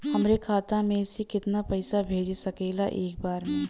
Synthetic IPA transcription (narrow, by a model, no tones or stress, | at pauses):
hɐmɾekʰaːt̪amẽsekɪt̪napɐɪsabʱeːd͡ʒsɐkeːlaʔeːk̚baːɾmẽ